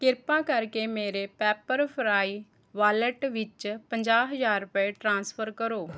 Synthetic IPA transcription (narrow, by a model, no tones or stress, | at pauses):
kɪɾpãːkəɾkeːmeːɾeːpɛːpəɾpʰɾaːiː | ʋaːləʈʋɪt͡ʃpəɲd͡ʒaːɦəzaːɾʊpeːʈɾãːnspʰəɾkəɾoː